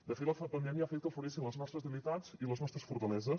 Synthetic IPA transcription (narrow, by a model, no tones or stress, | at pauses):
d̪əfet̪ləfpənɛmjafet̪̚kəfuɾesinləznɔst̪ɾəzðəlit̪aziləznɔst̪ɾəsfuɾt̪əlɛzə